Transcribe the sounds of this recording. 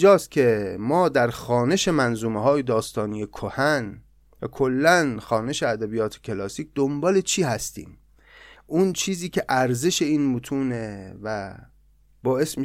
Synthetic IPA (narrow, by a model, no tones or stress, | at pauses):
d͡ʒɒːst̪̚cʲʰe̞mɒːd̪æɾxɒːne̞ʃe̞mænzuːmeɦɒːjed̪ɒːst̪ɒːnijekʰohæn | vækʰolːænxɒːne̞ʃe̞æd̪æbijɒːt̪ʰe̥ckʰe̞lɒːsiːkc̚ʰd̪̥ombɒːle̞t͡ʃʰiːhæst̪ḭːm | unt͡ʃʰiːziːcʰʲe̞ʔæɾze̞ʃe̞iːnmot̪ʰuːnevæ | bɒːe̞smi